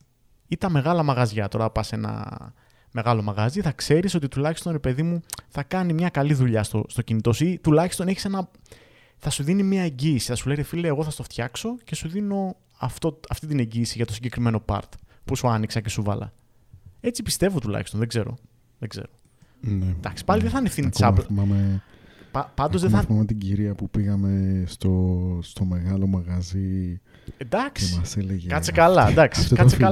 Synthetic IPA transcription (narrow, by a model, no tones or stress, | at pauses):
it̪ɐme̞ɣɐlɐmɐɣɐzʝɐt̪o̞ɾɐpɐse̞nɐ̰ | me̞ɣɐlo̞mɐɣɐziθɐkse̞ɾiso̞t̪it̪ulɐçist̪o̞nɾe̞pe̞ðimuθɐkɐnimɲɐkɐliðuʎɐst̪o̰st̪o̞cinit̪o̞sit̪ulɐçist̪o̞ne̞çi̥se̞nɐ | θɐsuðinimiɐe̞ɲɟiːsi̥θɐsuleɣefileːɣo̞θɐst̪oft̪çɐkso̞ce̞suðino̞ | ɐft̪oɐft̪it̪̬ine̞ɲɟiːsiʝɐt̪o̞siɲɟe̞kɾime̞no̞pɐ̰ɾt̪pusuɐniksɐce̞suvɐlɐ̰ | e̞t͡sipi̥st̪e̞vot̪ulɐ̰çist̪o̞nðe̞ɡze̞ɾo̞̰ | ðeɡze̞̰ɾo̞ | ned̪ɐksi̥pɐliðeθɐnifθinit͡sɐblθimɐmepɐpɐnd̪ozðeɐθimɐmet̪iɟiɾiɐpupiɣɐme̞st̪ost̪o̞me̞ɣɐlo̞mɐɣɐzi | end̪ɐksiɐseleʝekɐt͡sekɐlɐd̪ɐksi̥kɐt͡seɐ